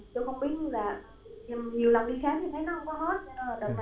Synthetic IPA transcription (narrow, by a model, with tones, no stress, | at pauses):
t͡ɕo˧xə˧wŋ͡mɓi˦˥ət̚ɲ˧laː˨˩˧ | ɲi˨˩əwla˨˩wŋ͡mʔi˧xaː˨˦ŋt̪ʰi˨˩t̪ʰə˨˦jnɔ˨˦hə˧ŋ͡mkɔ˨˦ɦo˦˥t̚t͡ɕnː˧˨˩ɗə˨˩n˨